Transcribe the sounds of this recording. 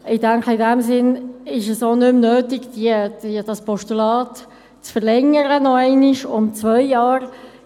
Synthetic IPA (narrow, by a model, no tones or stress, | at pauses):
ɪdæŋkəɪdɛmsɪnɪʃəsonʏmnøːtɪɡ̥d̥id̥id̥ɑspɔʃtulɑːt | t͡sfəʁlɛŋəɾənɔɛɪnɪʃʊmt͡svœɪjɑːɾ